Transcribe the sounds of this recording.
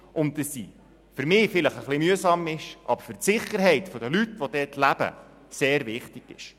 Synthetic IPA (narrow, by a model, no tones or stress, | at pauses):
ʔʊnt̚dɑsːḭ | fʏɾmɪːfɪləχəχlimyəsɑmɪʃʔɑ̰bəɾfʏɾtsɪχəɾɦɛɪtfɔd̪əlytːʋɔd̥̪ɛːtʰlæb̥ə̰ | seːɾvɪχtɪɡ̥ɪ̰ʃ